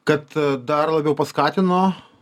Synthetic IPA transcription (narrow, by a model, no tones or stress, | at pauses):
kɐt̪d̪ɐrlˠɐbʲɛʊpɐskɑːt̪ʲɪnoː